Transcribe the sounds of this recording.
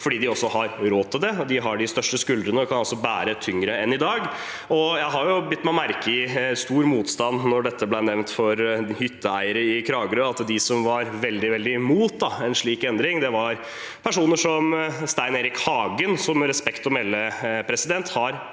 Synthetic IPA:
fɔɖiːd̪ɪɔsːɔhɑɾɾoːt̪ʰːɪld̪ɛɔd̪ɪɦɑɖɪst̪œʂʈəskʉld̪ɾənəɔkʰɑnɑlsɔbæːɾət̪ʰʏŋɾəɛnːɪd̪ɑːɡ | ɔjæɪɦɑɾjʊbʏt̪ːmæmæɾkəɪst̪uːɾmuːt̪st̪ɑnnɔɖɛt̪ːəblæɪnɛʋnt̪fɔɾhʏt̪ʰːəæɪəɾəɪkʰɾɑːɡəɾøɑt̪d̪ɪsɔmʋɑɾʋɛld̪ɪʋɛld̪ɪmuːt̪̚d̪ɑɛnʂɭiːkɛnd̪ɾɪŋd̪ɛʋɑɾ | pʰæʂuːnəʂɔmst̪æɪneːɾɪkhɑːɡənsɔmɾɛspɛkt̪ɔmɛlːəpʰɾɛsɪd̪ɛnt̪hɑɾ

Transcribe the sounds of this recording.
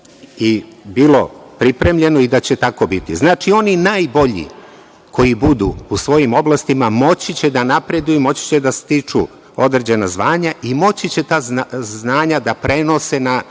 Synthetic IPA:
ibilo̞pɾipɾe̞mʎe̞noid̪at͡ɕe̞t̪ako̞bit̪ḭznaːt͡ʃio̞ninaːjbo̞ʎḭ | kʰo̞jibud̪ṵusʋo̞jimo̞blˠast̪imamo̞t͡ɕit͡ɕe̞d̪anapɾe̞d̪ujumo̞t͡ɕi̥t͡ɕe̞d̪ast̪it͡ʂu | o̞d̪ɾed͡ʑe̞nazʋaːɲaʔimo̞t͡ɕit͡ɕe̞t̪aːzznaːɲad̪apɾe̞no̞se̞na

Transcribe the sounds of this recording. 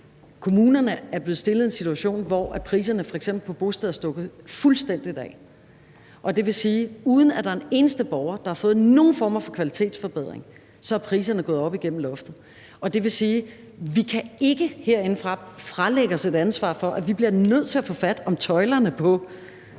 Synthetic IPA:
kʰo̝muːnɐnəæɐb̥le̝ð̩ˠsd̥e̝lð̞̩ˠe̝nsit͡sʰuæɕo̝̰ːnʋɒʔæpʰʁḭːs̬ɐnəfɒ̽eɡsem̰b̥l̩pʰɒ̽b̥o̝sd̥ɛð̩ˠɐsd̥ɔ̽ɡ̥ð̩ˠfulsd̥en̰d̥id̥ɛ̰ː | ʔɒ̽d̥e̝ʋe̝siːuːð̞ˠn̩æd̥ɑ̈ɐene̝ːnəsd̥əb̥ɒʊɐd̥ɑ̈hɑ̈fɔ̽ːð̩ˠno̝ːn̩fɒ̰ːmɐfɒ̽kʰʋælit͡sʰe̝̰ːd̥sfɒ̽b̥eð̞̰ˠʁeŋ | sɒ̽æɐpʰʁḭːs̬ɐnəɡ̥ɔ̽ːð̞̩ˠɒ̽b̥iɡ̥en̰m̩lɔ̽fd̥ð̩ˠ | ʔɒ̽d̥e̝ʋe̝siː | ʋikʰæe̝ɡ̥əhe̝ɐ̰e̝n̩fʁɑ̈fʁɑ̈leɡ̥əse̝d̥ænsʋɑ̰̈ːfɒ̽ʔæʋib̥liɐnøð̞̰ˠt͡sʰe̝æfɔ̽fæd̥ɒ̽mt͡sʰɒ̽ɪlɐnəpʰɒ̽

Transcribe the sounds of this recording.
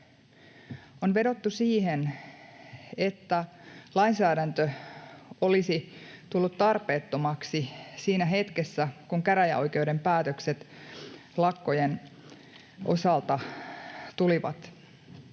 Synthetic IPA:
onʋe̞do̞t̪ːusiːhen | et̪ːælɑinsæːdænt̪ø | o̞lisit̪ulːut̪t̪ɑrpe̞ːt̪ːo̞mɑksisiːnæɦe̞t̪kesːækuŋkæɾæjæ̰o̞jk̟e̞ude̞mpæːt̪økset̪ | lɑkːo̞jen | ʔo̞̰sɑlt̪ɑ | t̪uliʋɑ̰t̪

